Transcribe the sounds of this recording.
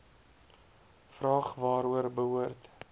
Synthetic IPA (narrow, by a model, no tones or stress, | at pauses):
frɑːχvɑːɾuərbəɦuərt